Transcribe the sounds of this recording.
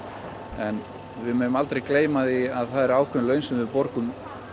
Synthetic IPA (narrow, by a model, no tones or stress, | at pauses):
ɛn | vɪðmɛnʏmalt̪ɾejkleːjmaðiaðθaðɛɾaːwkʰʏnlœɥnsʏmvɪpɔɾkʏm